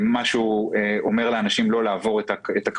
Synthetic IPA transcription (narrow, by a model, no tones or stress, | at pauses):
maʃueʔo̞me̞ʁleanaʃimlo̞laːvo̞ʁet̪aet̪ak